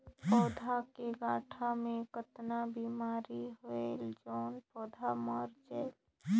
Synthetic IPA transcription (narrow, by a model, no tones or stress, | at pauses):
pɔːd̪ʱakeɡaːʈʰamẽkət̪nabiːmaːɾiɦoeld͡ʒɔːnpɔːd̪ʱamɔɾd͡ʒeːl